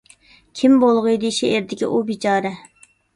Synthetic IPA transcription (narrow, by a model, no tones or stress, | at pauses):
kʲʰimbolˠʁɨjd̪ɨʃeʔeɾd̪ɪkʲḭʔubit͡ʃʰɑːɾɛ